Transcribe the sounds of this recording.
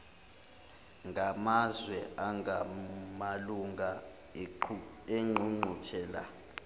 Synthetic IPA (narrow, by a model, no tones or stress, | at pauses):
ŋʱamazwɛʔaŋamaluŋa | eŋ͡ǃʱuŋ͡ǃʱut͡ʃʰɛːla̰